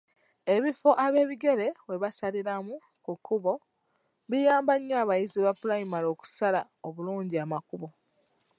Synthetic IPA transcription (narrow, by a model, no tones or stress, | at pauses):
e̞βifo̞ʔaβe̞ːβiɡe̞ɾe̞βwe̞βasaliɾamu | kukʰːuβo̞ | βijaːmbaɲːaːβajiziβapulajimalo̞ːku̥sala | oβuluːɲɟiamakuβo̞